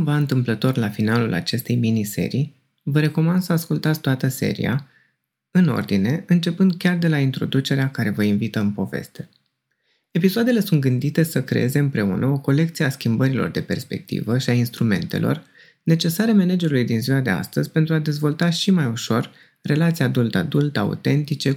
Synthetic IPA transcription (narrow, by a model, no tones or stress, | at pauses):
kumvaɨnt̪ɨmplət̪o̞rlafinalulʔa̰t͡ʃe̞st̪e̞jminise̞̰ɾi | vəɾe̞ko̞mand̪səaskult̪at̪sʲt̪oat̪əse̞̰ɾḭa̰ | ɨno̞̰rd̪ine̞ɨnt͡ʃe̞pɨnd̪̚kʲard̪e̞laint̪ɾo̞̰d̪ut͡ʃe̞ɾeakaɾe̞vəinvit̪əɨmpo̞ve̞̰st̪e̞ | e̞pisoad̪e̞le̞sunt̪ɡɨnd̪it̪e̞səkɾe̞̰e̞ze̞ɨmpɾe̞ṵnʔəo̞ko̞le̞k̚t̪sieaskʲimbəɾilo̞̰rd̪e̞pe̞rspe̞̰k̚t̪ḭvəʃiainst̪ɾume̞̰nt̪e̞̰lo̞̰r | ne̞t͡ʃe̞saɾeame̞ned͡ʒe̞ɾulujd̪inzioad̪e̞a̰st̪əzʲpent̪ɾuad̪e̞zvo̞lt̪aʃimajuʃo̞r | re̞lat̪siad̪ult̪a̰d̪ult̪əa̰ṵt̪e̞nt̪it͡ʃe̞